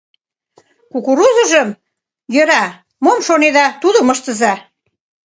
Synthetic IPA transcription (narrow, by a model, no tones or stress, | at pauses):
kukuɾuzə̆ʒəm | jəɾɑ | momʃoned̪ɑt̪uðəməʃt̪ə̆zɑ